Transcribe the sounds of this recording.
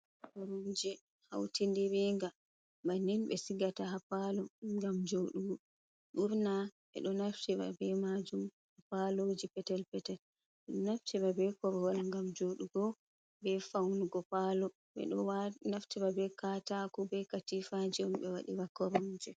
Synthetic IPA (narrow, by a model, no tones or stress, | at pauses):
kɔɾud͡ʒɛ | hawtindɛɾɛŋɡa | maninɓɛsiɡataɦapalɔŋɡamd͡ʒoɗuɡɔ | ɗuɾnaɓɛ̰ɗɔnaftɛba̰bɛmad͡ʒum | hapalod͡ʒipɛtɛlpɛtɛl | ɓɛɗɔnaftɛbabɛkɔɾɔhɔlŋɡamd͡ʒoɗuɡɔ | bɛfawnuɡɔpalɔ | ɓɛ̰ɗɔwnaftɛbabɛkatakubɛkatifad͡ʒɛumɓɛwaɗiwakɔɾɔnd͡ʒɛ